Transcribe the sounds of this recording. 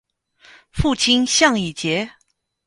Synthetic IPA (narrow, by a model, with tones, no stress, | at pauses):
fu˥˩t͡ɕʰi˥nɕjɑ˥˧ŋi˨˩t͡ɕjɛ˧˥